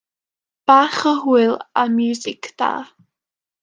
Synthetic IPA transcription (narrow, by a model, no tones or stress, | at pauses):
b̥aːχəɦuɨlˠamjuːzɪkʰd̪̥a̰ː